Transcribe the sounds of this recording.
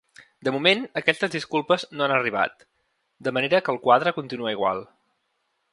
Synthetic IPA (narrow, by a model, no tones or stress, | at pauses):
d̪əmumenəkɛst̪əzðiskulˠpəznoanəriβ̞a̰t̪ | d̪əməneɾəkəːlˠkwaðɾəkunt̪inuəiɣ̞wa̰lˠ